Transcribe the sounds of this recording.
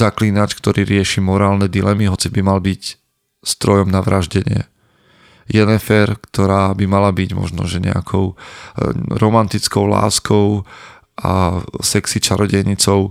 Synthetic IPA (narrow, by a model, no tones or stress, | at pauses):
zaklinat͡ʃkt̪ɔɾiːɾɪɛʃiːmɔɾaːlnɛd̪ilɛmiɦɔt͡sibimalbic | st̪ɾɔjɔmnaʋɾaʒɟɛɲɪɛ̰ | jɛnɛfɛɾkt̪ɔɾaːbimalabiɟmɔ̰ʒnɔ̰ʒɛɲɛ̰a̰kʰɔʊ | ɾɔmant̪it͡skɔʊla̰ːskɔʊ | ʔa̰sɛksit͡ʃaɾɔɟɛɲit͡sɔʊ